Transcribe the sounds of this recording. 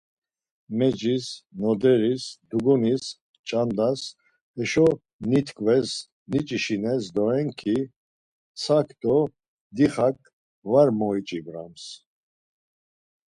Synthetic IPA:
mɛd͡ʒisnɔd̪ɛɾisd̪uɡɔnis | t͡ʃʼand̪as | ɛʃɔ | nit̪ʰkʰʼvɛs | nit͡ʃʼiʃinɛsd̪ɔɛŋkʰi | sʰakʰt̪ɔ | d̪iχak̚ʼ | vaɾmɔit͡ʃʼibɾa̰ms

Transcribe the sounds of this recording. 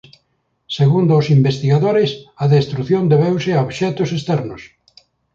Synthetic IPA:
seɣund̪ʊːsimbest̪iɣaðoɾɪsaðest̪ɾuθjond̪eβewsɪaoβʃɛt̪ʊsest̪ɛɾnʊs

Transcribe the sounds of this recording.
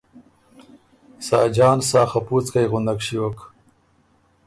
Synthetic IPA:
sɑːd͡ʒɑːnsɑːxaput͡skajɣʊnd̪akʂiwok

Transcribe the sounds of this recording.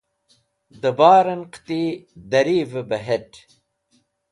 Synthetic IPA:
d̪əbaːɾɐnqt̪id̪ɐɾiːvəbɐɦeʈ

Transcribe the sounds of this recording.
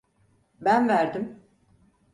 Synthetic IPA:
bænvæɾd̪im

